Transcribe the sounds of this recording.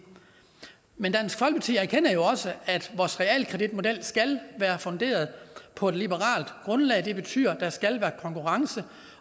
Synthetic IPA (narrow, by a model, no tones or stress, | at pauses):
mend̥æn̰sɡ̥fɒ̽l̰ɡ̥̚pʰɑt͡sʰḭːæɐkʰen̰ɐjo̝ɒ̽səæd̥ʋɒːsʁɛɛ̰ːlkʰʁɛd̥id̥̚mo̝d̥el̰sɡ̥ælʋæːɐfɔnd̥e̝̰ːɐð̞̩ˠpʰɒ̽e̝d̥lib̥əʁɑ̰̈ːld̥ɡ̥ʁɔ̽nlɛ̰ːɪd̥e̝b̥e̝t͡sʰy̰ːɐd̥æ̈sɡ̥ælʋæːɐkʰɒ̽ŋkʰuʁɑ̈ŋsə